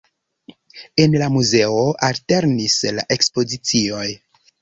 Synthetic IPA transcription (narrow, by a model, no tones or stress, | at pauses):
e̞nlamuze̞o̞ʔalte̞ɾnisla̰ʔe̞kspo̞zit͡sio̞j